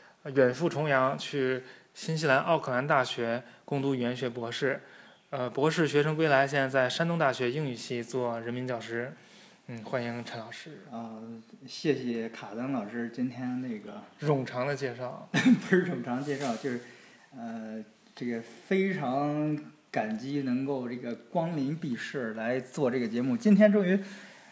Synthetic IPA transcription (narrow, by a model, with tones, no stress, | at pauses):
ɥɛ˨˩nfu˥˩ʈ͡ʂʰʊ˧˥ŋjɑ˧˥ŋt͡ɕʰy˥˩ | ɕi˥nɕ̬i˥la˧˥nʔɑ˥˩ʊkʰɤ˥˩a˧˥nt̪a˥˩ɕɥɛ˧˥kʊ˥˧ŋt̪u˥˩ɥɛ˧˥nɕɥɛ˧˥pwɔ˧˥ʂɻ̩˥˩ | ə˧pwɔ˧˥ʂɻ̩˥˩ɕɥɛ˧˥ʂɤ˥ŋkwe˥ɪla˧˥ɪɕ̬jɛ˥˧nt͡sa˥˩ɪʂa˥nt̪ʊ˥ŋt̪a˥˩ɕɥɛ˧˥i˥˧ŋy˨˩ɕi˥˩t͡swɔ˥˩ɻə˧˥nmi˧˥nt͡ɕjɑ˨˩ʊʂɻ̩˥ | n̩˥˩xwa˥ni˧˥ŋʈ͡ʂʰə˧˥nlɑ˨˩ʊʂɻ̩˥ɔ˥˧˩ɕjɛ˥˩ɕjɛ˨˩kʰa˨˩t̪a˥nlɑ˨˩ʊʂɻ̩˥t͡ɕi˥nt̪ʰjɛ˥nne˥˩ɡə˩ɻʊ˨˩ŋʈ͡ʂʰɑ˧˥ŋd̪ə˧t͡ɕjɛ˥˧ʂɑ˥˩ʊp̩˥˧ɻʊ˨˩ŋʈ͡ʂʰɑ˧˥ŋd̪ə˧t͡ɕjɛ˥˧ʂɑ˥˧ʊt͡ɕjo˥˧ʊʂɻ̩˥˩ | ə˧ | ʈ͡ʂɤ˥˩ɡə˩fe˥ɪʈ͡ʂʰɑ˧˥ŋ | ka˨˩nt͡ɕi˥nɤ˧˥ŋko˥˧ʊʈ͡ʂɤ˥˩ɡə˩kwɑ˥ŋli˧˥npi˥˧ʂɻ̩˥˩la˧˥ɪt͡swɔ˥˧ʈ͡ʂɤ˥˩ɡə˩t͡ɕjɛ˧˥mu˥˩t͡ɕi˥nt̪ʰjɛ˥nʈ͡ʂɤ˥˩ŋy˧˥